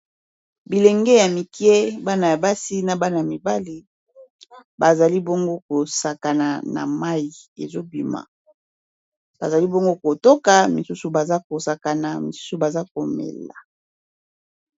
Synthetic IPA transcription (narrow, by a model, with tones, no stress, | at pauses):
bi˨le˨ŋɡɛ˦ja˨mi˨ki˦e˦ba˦na˨ja˨ba˦si˦na˨ba˦na˨ja˨mi˨ba˦li˨ | ba˨za˨li˦bo˦ŋɡo˦ko˨sa˨ka˨na˨na̰˨ma˦i˨e˨zo˦bi˨ma̰˨ | b̥a˨za˨li˦bo˦ŋɡo˦ko˨to˦ka˨mi˨su˦su˨ba˨za˦ko˨sa˨ka˨na˨mi˨su̥˦su˨ba˨za˦ko˨mɛ̰˨la̰˨